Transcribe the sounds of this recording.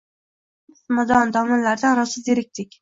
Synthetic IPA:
smad̪ɒnd̪ɒmɑnlaɾd̪aɾɒsɨzeɾɪk̚ʲt̪ʰɪkʲ

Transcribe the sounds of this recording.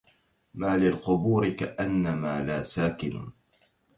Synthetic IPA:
maːlɪlqʊbuːɾɪkaʔanːamaːlaːsaːkɪn̰

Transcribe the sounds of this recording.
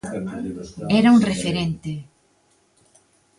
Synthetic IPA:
ɛɾauŋrefeɾent̪ɪ

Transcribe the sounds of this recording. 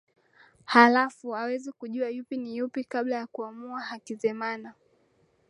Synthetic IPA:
halafuawɛzikuʄuajupinijupikaɓlajakuamuahakizɛmana

